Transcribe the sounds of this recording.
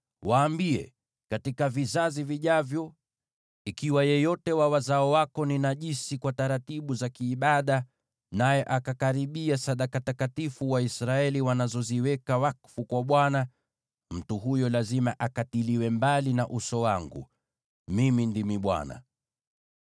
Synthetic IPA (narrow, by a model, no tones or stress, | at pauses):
waːmbiɛ̰ | katikavizaziviʄavjɔ | ikiwajɛjɔtɛwawazaɔwakɔninaʄisikwataɾatiɓuzakiːɓaɗa | najɛʔakakaɾiɓiasaɗakatakatifuwaisɾaɛliwanazɔziwɛkawakfukwaɓwana | m̩tuɦujɔlazimaʔakatiliwɛmbalinaʔusɔwaŋɡṵ | mimindimiɓwa̰na̰